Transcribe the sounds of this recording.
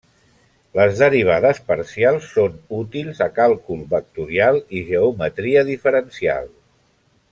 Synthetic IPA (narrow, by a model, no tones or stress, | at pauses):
ləzðəɾiβ̞aðəspəɾsialˠsːonut̪ilˠzəkalˠkulˠbək̚t̪uɾialˠiʒəumət̪ɾiəðifəɾənsia̰lˠ